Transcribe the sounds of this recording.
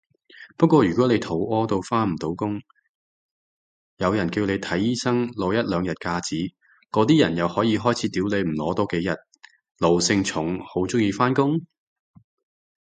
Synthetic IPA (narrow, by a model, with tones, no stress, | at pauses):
pɐ˥t̚kʷɔː˧jy˨˩kɔː˨˥ne˨˧jt̪ʰo˨˥wɔː˥t̪o˧wfaː˥m̩˨˩t̪o˨˥wkʊ˥ŋ | jɐ˨˧wjɐ˨˩nkiː˧wne˨˧jt̪ʰɐ˨˥jiː˥sɐ˥ŋlɔː˨˥jɐ˥t̚lœː˨˧ŋjɐ˨t̚kaː˧t͡siː˨˥ | kɔː˨˥t̪iː˥jɐ˨˩njɐ˨whɔː˨˥jiː˨˧ɦɔː˥jt͡sʰiː˨˥t̪iː˨˥wle˨˧jm̩˨˩lɔː˨˥t̪ɔː˥ke˨˥jɐ˨t̚ | lo˨wsɪ˧ŋt͡sʰʊ˨˥ŋho˨˥wt͡sʊ˥ŋjiː˧faː˥nkʊ˥ŋ